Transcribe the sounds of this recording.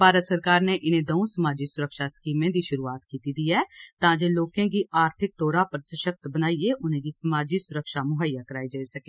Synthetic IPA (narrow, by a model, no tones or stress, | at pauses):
paːɾət̪səɾkaːɾneːʔɪnẽːd̪oõsəmaːd͡ʒiːsʊɾəkʃaːskiːmẽːd̪iːʃʊɾuːaːt̪kiːt̪iːd̪iːɛːt̪ãːd͡ʒeːloːkẽːɡiːaːɾt̪ʰɪk̚t̪oːɾaːpəɾsəʃək̚t̪bənaːieːʔʊnẽːɡiːsəmaːd͡ʒiːsʊɾəkʃaːmʊɦaːijaːkəɾaːid͡ʒaːisəkeː